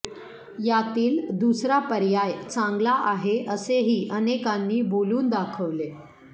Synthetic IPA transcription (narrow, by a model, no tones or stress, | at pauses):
jat̪iːld̪usɾapəɾjajt͡sãŋɡlaʔaɦeʔəseɦiːʔənekanːiːboluːnd̪akʰəʋle